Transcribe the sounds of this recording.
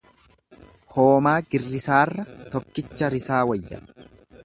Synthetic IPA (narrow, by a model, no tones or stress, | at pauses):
hoːmaːɡɪrːɪsaːrːɐt̪ɔkːɪt͡ʃːɐɾɪsaːwɐjːɐ̰